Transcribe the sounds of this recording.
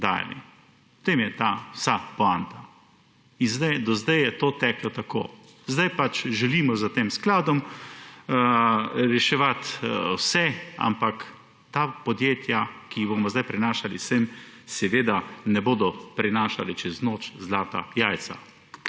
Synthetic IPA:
d̪aːja̰lḭ | t̪emjɛt̪aːsapɔant̪a | inzd̪ajd̪ɔzd̪ɛjjɛt̪oːt̪ɛklɔt̪ako̰ː | zd̪ajpat͡ʃʒɛliːmɔzat̪eːmsklaːd̪ɔm | ɾɛʃɛʋat̪wsɛa̰mpak | t̪aːpɔd̪jeːt̪jakiboːmɔzd̪ajpɾɛnaːʃalḭsemsɛʋeːd̪anɛboːd̪ɔpɾɛnaːʃalit͡ʃɛznoːt͡ʃzlaːt̪a̰jaːj̪sa̰

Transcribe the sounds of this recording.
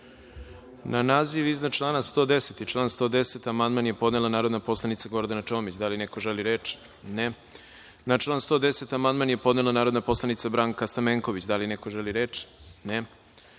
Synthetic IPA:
nanaːziʋiznat͡ʃlˠaːnast̪o̞ːd̪eset̪it͡ʃlˠaːnst̪o̞ːd̪eset̪amand̪manjepod̪nelanaːɾo̞d̪napo̞slˠanit̪saɡo̞ɾd̪anat͡ʃo̞ːmit͡ɕd̪alineko̞ʒeliɾet͡ʃ | ne | nat͡ʃlˠaːnst̪o̞ːd̪ese̞t̪amand̪manjepo̞d̪ne̞lˠanaːɾo̞d̪napo̞slˠanit̪sabɾaːŋkast̪ameŋko̞ʋit͡ɕd̪alinekoʒeliɾeːt͡ʂne

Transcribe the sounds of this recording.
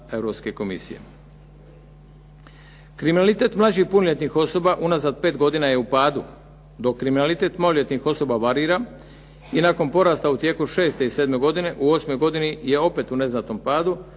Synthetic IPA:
e̞ʋɾo̞pske̞ko̞mḭsḭjḛ | kɾiminalit̪e̞ːt̪mlˠad͡ʑihpunoʎʲe̞t̪nixo̞so̞baʔunazad̪̚pe̞ːt̪ɡo̞d̪inaje̞upaːd̪u | d̪o̞kːɾiminalit̪e̞ːt̪mlaloʎʲe̞t̪nixo̞so̞baʋaɾiːɾa | inako̞npo̞ɾaːst̪aut̪je̞ːkuʃe̞ːst̪e̞ised̪me̞ɡo̞d̪ine̞ʔuo̞smo̞jɡo̞d̪inije̞o̞pe̞t̪une̞znat̪o̞mpaːd̪u

